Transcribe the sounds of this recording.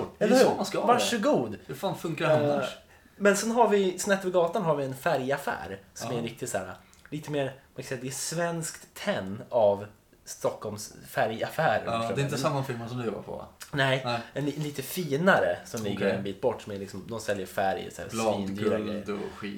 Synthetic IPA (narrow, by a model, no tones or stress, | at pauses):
ɛskvaʂəɡuːd̪hfaːnfɵŋkaɾana | mɛnsɛnɦaɾvɪsnɛt̪ːvɪɡɑːt̪anɦaɾvɪɛnfæɾjafæ̰ːɾsɔmæɾɪk̚t̪ɪt̪sæːɾa | liːt̪əmeːɾmakʰansɛjːad̪ɛːsvɛnskt̪ʰːɛnːav | st̪ɔkʰːɔlmsfæɾjafæːɾə̰ɛɪnt̪ːəsamːafɪlmasɔmd̪ɵjɔːba̰pʰɔ̰nɛɪɛnnliːt̪əfiːnaɾəsɔmlɪɡəɾɛnbiːt̪̚bɔʈːsɔmælɪksɔmd̪ɔmsɛljəɾfæɾj̰sæ̰ːɾsviːnd̪yːɾaɡɾɛ̰jɧiː